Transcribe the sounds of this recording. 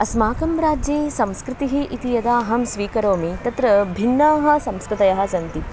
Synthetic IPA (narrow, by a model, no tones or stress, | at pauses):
ɐsmaːkɐmɾaːd͡ʒjeːsɐmskɾɪt̪iɦiʔit̪ijɐd̪aːɦɐmsʋiːkɐɾoːmit̪ɐt̪ɾɐbʱinːaːɦɐ̆sɐmskɾɪt̪ɐjɐɦɐ̆sɐnt̪i